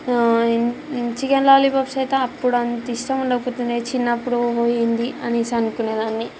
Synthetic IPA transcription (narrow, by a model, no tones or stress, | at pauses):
t͡ʃikɐnlaːlibɐpsɐjt̪ɐmɐpːuɽɐnt̪iʃʈɐmuɳɖɐput̪und̪et͡ʃinːɐpːuɽuɦojind̪iʔɐnisɐnukuned̪aːnːi